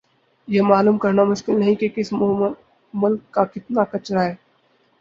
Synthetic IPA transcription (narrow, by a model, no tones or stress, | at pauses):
jemaːluːmkɐɾnamʊʃkɪlnɐɦĩkekɪs | mʊlkːakɪt̪nakɐt͡ʃɾaɦɛː